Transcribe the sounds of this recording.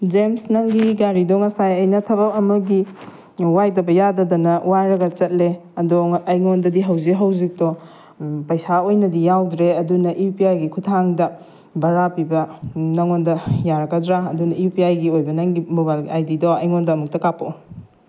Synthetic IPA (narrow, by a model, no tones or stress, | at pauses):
d͡ʒemsnɐŋɡiɡaɾidɔŋɐsajɐjnɐtʰɐβawɐmɐɡi | wajdɐbɐjadɐdɐnɐwaɾɐɡɐt͡ʃɐt̚leɐdoŋɐjŋondɐdiɦɐwzikɦɐwzik̚tɔ | pɐjsaojnɐdijawdɾeɐdunɐʔiupiajɡikʰutʰaŋdɐ | bɐɾapibɐnɐŋondɐjaɾɐkɐdɾaɐdunɐiupiajɡiojbɐnɐŋɡimobalɡiajdidɔɐjŋondɐːmuk̚tɐkapo